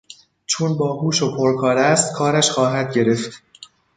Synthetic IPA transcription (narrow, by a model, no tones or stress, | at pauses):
t͡ʃʰonbɒːhuːʃopʰoɾkʰɒːɾæst̪kʰɒːɾæʃxɒːɦæd̪̚ɟe̞ɾe̞ft̪